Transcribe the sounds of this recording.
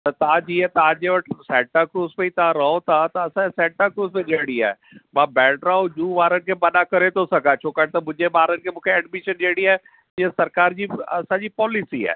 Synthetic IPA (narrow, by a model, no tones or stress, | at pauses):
t̪ɐt̪ãːd͡ʑiːɛt̪aːd͡ʒeʋəʈsɛːʈakɾuːzpẽĩt̪ãɾɐɦõt̪ʰãt̪ɐɐsãsɛ̃ːʈakɾuːzpẽʄeːɽ̃ia̰ːɛ | mãːbɛːɖɾaod͡ʒuːʋaːɾənɪ̆kʰebɐɗakɐɾet̪ʰosɐɡʱat͡ʃʰoːkat̪ɐmʊ̃d͡ʒeɓaːɾənɪkʰemʊ̃ːkʰeɛɖmɪʃənd͡ʒeːɽiaː | iesɐɾkaːɾd͡ʑiːɐsãd͡ʑiːpɔːlɪsiɛ̰ː